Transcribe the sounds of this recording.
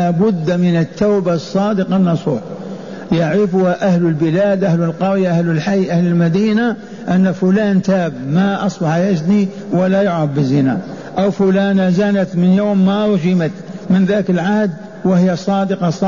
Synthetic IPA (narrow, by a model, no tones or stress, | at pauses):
abʊd̪ːmɪnɪt̪ːaːbasˤːɑːd̪ɪqɑnːɑsˤṵːħ | jaʕɾɪfʊhaʔahlʊlbɪlaːd̪ʔahləlqɑɾjaʔahlɪlħajːʔahlɪlmad̪iːna | ʔanːafʊlaːnt̪aːbmaʔɑsˤbɑħjad͡ʒni | walːajʊʕɾɑfbɪzːɪnaʔawfʊlaːnazanat̪mɪnjoːmːaɾˤʒɪmat̪mɪnðaːkɪlʕahd̪ | wɪhɪjːasˤɑːd̪ɪqɑsˤɑ